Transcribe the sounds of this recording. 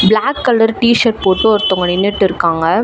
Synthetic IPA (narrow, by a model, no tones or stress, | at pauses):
blaːkːɐlːɐɾʈiːʃɐɾpoːʈːɯɔɾɯt̪ːʊŋɡɐnɪnːɪʈːɯɪɾɯkːaːŋɡɐ